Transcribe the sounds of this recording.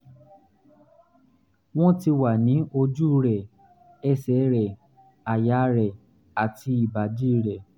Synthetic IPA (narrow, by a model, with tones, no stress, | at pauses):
w̃ɔ̃˦ti˧wa˨nĩ˨˦o˧d͡ʒu˦ɾɛ˨ | ɛ˦˨sɛ˨˦ɾɛ˨ | a˨ja˨˦ɾɛ˨ | a˨tʰi˧i˦˨ba˨d͡ʒi˦˨ɾɛ˨